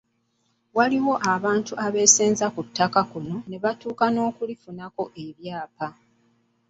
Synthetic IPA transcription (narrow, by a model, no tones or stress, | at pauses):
waliwo̞ʔaβaːntuʔaβe̞seːnzakutːakakuno̞ne̞βatuːkano̞ːkulifunako̞ʔe̞βjaːpa